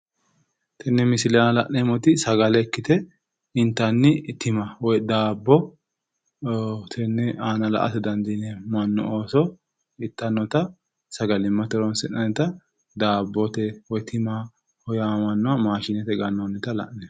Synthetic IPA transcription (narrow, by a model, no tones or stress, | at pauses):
t̪ʰɛnːɛmɪsɪlɛnɐlɐʔnɛmɔt̪ɪsɐɡɐlɛkːɪt̪ɛ | ɪnt̪ːɐnːɪt̪ɪmɐwɔjd̪aːbːɔ | t̪ʰɛnːɛaːnɐlɐ̰ʔɐ̰t̪ɛd̪ɐnd̪inɛmɐnːɔ̰oːsɔ | ɪt̪ːɐnːɔt̪ɐ | sɐɡɐlɪmːɐt̪ɛɾɔnsɪnːɐnɛt̪ɐ | d̪aːbːɔt̪ɛwɔjt̪ʰɪma | hɔjamɐnːʊamaːʃɪnɛt̪ɛɡɐnːɔnːɪt̪ɐlɐ̰ʔnɛ